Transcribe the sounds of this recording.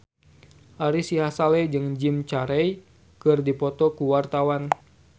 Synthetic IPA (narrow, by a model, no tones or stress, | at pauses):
ʔaɾisiɦasalɛd͡ʒɨŋd͡ʒimt͡ʃaɾɛj | kɨrdipɔt̪ɔkuwart̪awan